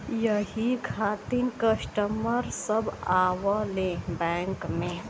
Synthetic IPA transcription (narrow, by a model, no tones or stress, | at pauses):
jəɦikʰaːt̪inkəsʈəməɾsəbaːwalẽbɛːŋkmẽ